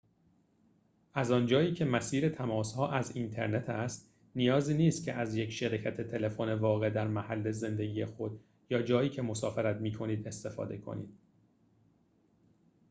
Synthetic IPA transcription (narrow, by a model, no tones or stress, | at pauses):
ʔæzɒːnd͡ʒɒːiːcʰe̞mæsiːɾe̞t̪ʰæmɒːshɒːʔæzint̪ʰe̞ɾne̞t̪ʰæst̪ | nijɒːziːniːst̪̚cʰe̞ʔæzjecʃeɾicʰæt̪ʰe̞t̪ʰe̞le̞fone̞vɒːɣe̞d̪æɾmæhælːe̞ze̞nd̪e̞ɡiːje̞xo̞d̪ | jɒːd͡ʒɒːjiːcʰe̞mo̞sɒːfeɾæt̪miːkʰo̞niːd̪e̞st̪e̞fɒ̰ːd̪e̞kʰo̰nḭːd̪̥